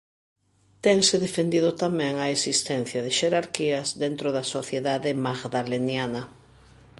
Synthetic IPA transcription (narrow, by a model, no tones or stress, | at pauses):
t̪ɛŋsɪðefend̪iðʊt̪amɛ̃ŋaesist̪ɛn̟θjɐðɪʃeɾaɾkiɐzd̪ent̪ɾoðɐsoθjeðaðɪmaɣðalenjanɐ